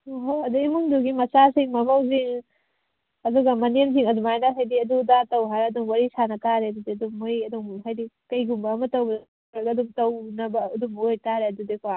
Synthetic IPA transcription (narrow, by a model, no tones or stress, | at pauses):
ɦoɐduimuŋduɡimɐsasiŋmɐmɐwziŋ | ɐduɡɐmɐnens̬iŋɐdumajnaɦajdiɐdudatɐwɦaɾɐduŋwaɾisanɐkaɾeɐdudiɐduŋːojɐduŋɦajdikɐjɡumbɐːmɐtɐwbɐd | ɾɐkɐduŋtɐwnɐbɐːduŋojtaɾeɐdudikʰa